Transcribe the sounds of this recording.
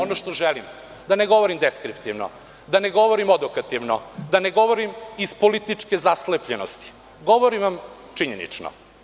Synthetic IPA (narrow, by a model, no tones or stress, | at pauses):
onoʃt̪oʒelim | d̪aneɡo̞ʋoɾimd̪eskɾipt̪iʋno̰ | d̪aneɡo̞ʋoɾimod̪okat̪iʋno̰d̪aneɡo̞ʋoɾimispolit̪it͡ʂkezaslepʎenost̪i̥ | ɡo̞ʋoɾiʋam | t͡ʂiɲenḭt͡ʂno̰